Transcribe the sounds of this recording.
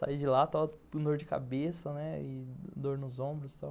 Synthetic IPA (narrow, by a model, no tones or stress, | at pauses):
sa̰id͡ʒɪlat̪awũd̪oɾd͡ʒɪka̰besɐnɛɪd̪oɾnʊzõbɾʊst̪aw